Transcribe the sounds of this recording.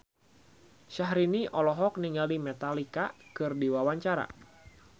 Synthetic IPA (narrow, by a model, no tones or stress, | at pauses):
ʃaɦɾiniʔɔlɔɦɔk̚niŋalimɛt̪alikakɨrdiwawaɲt͡ʃaɾa̰